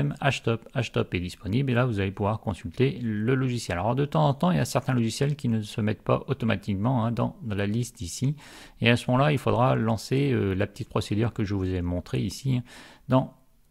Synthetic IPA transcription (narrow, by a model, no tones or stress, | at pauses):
ɛmaʃt̪ɔpaʃt̪ɔpɛd̪ispɔniblelavuzalepuvwaʁkɔ̃sylt̪eləlɔʒisjɛlaɔʁd̪ət̪ɑ̃zɑ̃t̪ɑ̃ilja̰sɛʁt̪ɛ̃lɔʒisjɛlkʲinəsəmɛt̪̚pa̰ʔot̪ɔma̰t̪ʰikmɑ̃ɛ̃d̪ɑ̰̃lalist̪isi | easəmɔmɑ̃lailfod̪ʁalɑ̃seølapə̥t̪it̪̚pχɔsed̪yʁkəʒəvuzɛmɔ̃t̪χeisiɛ̃d̪ɑ̃